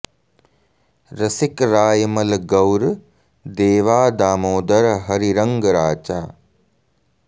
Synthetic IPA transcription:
ɾɐsikɾaːjmɐlɡɐwɾ | d̪eːʋaːd̪aːmoːd̪ɐɾɦɐɾiɾɐŋɡɾaːt͡ʃaː

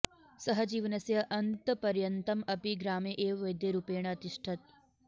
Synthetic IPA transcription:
sɐɦɐd͡ʒiːʋnɐsjɐʔɐnt̪pɐɾjɐnt̪ɐmɐpiɡɾaːmeːʔeːʋʋɐjd̪jeɾupeːɳ̃ɐɐt̪iʂʈʰɐt̪̚

